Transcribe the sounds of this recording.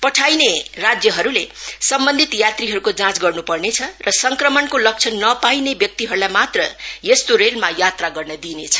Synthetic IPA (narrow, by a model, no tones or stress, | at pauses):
pʌʈʰajnerad͡zjʌɦʌɾulesʌmbʌnd̪ʱit̪jat̪riɦʌɾukod͡zãt͡sɡʌrnupʌrnet͡sʰʌrʌsʌŋkrʌmʌnkolʌk̚t͡sʰʌnːʌpajnebjʌk̚t̪iɦʌɾulajmat̪rʌjest̪oɾelmajat̪raɡʌrnʌd̪inet͡sʰʌ̥